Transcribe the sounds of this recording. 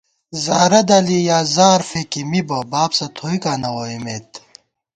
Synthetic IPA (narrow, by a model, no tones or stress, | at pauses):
zaːɾɐd̪ɐlijaːzaːɾfekimibɐbaːpsɐt̪ʰoːikaːnɐwoːimeːt̪